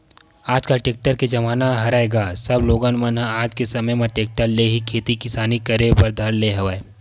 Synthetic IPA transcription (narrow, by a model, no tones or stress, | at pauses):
aːd͡ʒkaʈeːk̚ʈəɾked͡ʒɐmaːnaɦɐɾaːeːɡaːsɐbloːɡanmɐnɦãaːd͡ʒkesɐməjmẽʈeːk̚ʈəɾleɦikʰeːt̪ikɪsaːnikɐɾepɐɾd̪ʱɐɽleɦɐʋae